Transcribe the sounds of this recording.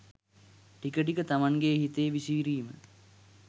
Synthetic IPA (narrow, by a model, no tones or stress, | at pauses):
ʈikəʈ̬ikət̪amaŋɡeɦit̪ejːʋisiːɾiːmə